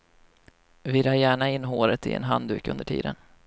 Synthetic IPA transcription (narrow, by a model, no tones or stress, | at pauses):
vɪɾaːjæːɳaɪnːɦoːɾət̪ɪ̰ɛ̰nɦand̪ʉ̟ːkɵ̰nd̪əʈʰḭːd̪ən